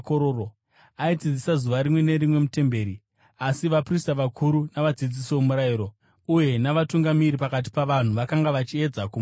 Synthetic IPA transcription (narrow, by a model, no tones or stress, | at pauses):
koɾoo | aid͡zid͡zisazuʋaɾimwe̞ne̞ɾimwe̞mute̞mbe̞ːɾi | asiʋapristaʋakʰuɾunaʋad͡zid͡zisoomuɾaiɾo̞ | uje̞naʋatuŋɡamiɾipakat̬i̥paʋan̤uʋakaŋɡaʋat͡ʃie̞d͡zakum